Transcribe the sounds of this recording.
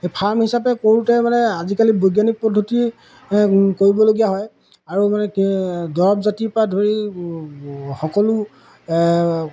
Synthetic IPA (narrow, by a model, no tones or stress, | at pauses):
pʰaɹmhisapɛkoɹutɛmanɛazikalibojɡjanik̚pɔdʱːoti | koɹibɔloɡijaɦɔj | aɹumanɛdɔɹɔbzatipɹadʱoɹi | xɔkɔlu